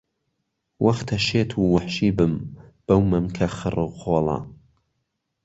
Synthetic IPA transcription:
wʔɐxt̪ʰɐʃeːt̪ʰuːwɐħʃiːbɨmb̥ɐwmɨmkʰɐxɨrɨqʰoːlˠɑ̰

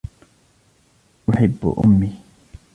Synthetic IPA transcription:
ʔʊħɪbːʊ̰ʔʊ̰mːi

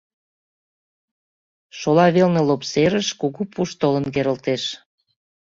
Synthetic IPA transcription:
ʃolɑβelnelopseɾəʃkuɣupʰuʃt̪olə̆nkeɾəlt̪eʃ

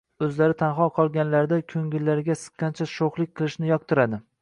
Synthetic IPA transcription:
ɵzlaɾɪt̪ʰanχɒqʰɒlˠɡʲanlaɾd̪akʲʰɵŋɡʲɪlːaɾɪɡʲasɨ̥qʰːɑnt͡ʃʰaʃoχlˠɪk̚ʲqʰɨlˠɪʃnɪjɒq̚t̪ʰɪɾad̪ɪ

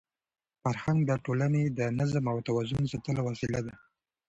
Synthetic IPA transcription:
faɾhaŋɡd̪əʈolaned̪ənazmawt̪awazʊnsat̪əlawasilad̪a

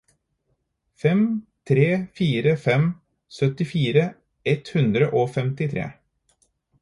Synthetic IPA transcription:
fɛmt̪ʰɾeːfiːɾəfɛm | sœt̪ɪfiːɾə | ɛt̪hʉnd̪ɾəʔoːfɛmt̪ɪt̪ʰɾḛː

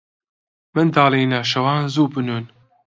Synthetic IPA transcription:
mɨnd̪aːlejnaːʃɐwaːnzuːbɨnuːn

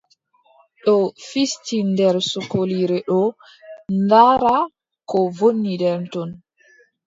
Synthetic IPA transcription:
ɗɔfistindɛɾsukoliɾɛɗɔ | ndaɾa | kɔvonːidɛɾntɔn

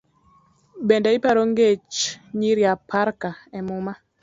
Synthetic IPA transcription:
bendaɪpaɾoŋɡet͡ʃɲiɾjapʰaɾkaɛmʊma

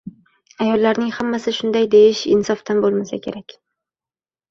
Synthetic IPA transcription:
ajɒlˠːaɾnɪŋhamːasɪʃʊnd̪ajd̪e̞jɪʃɪnsɒft̪ʰanbolˠmasakʲʰe̞̰ɾakʲ

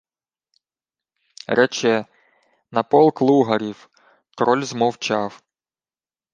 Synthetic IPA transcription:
ɾʔɛt͡ʃɛ | nɐpɔlˠklˠuɦɐɾʲiw | t̪ɾɔlʲzmɔwt͡ʃɑw

